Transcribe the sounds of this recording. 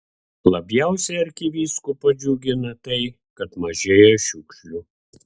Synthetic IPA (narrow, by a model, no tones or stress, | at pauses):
lˠɐbʲjɛˑʊsʲɛɐɾʲkʲɪʋʲiːskupɐd͡ʒʲuɡʲɪnɐt̪ɐɪ | kɐt̪mɐʒʲeːjoʃʲʊkʃʲlʲʊ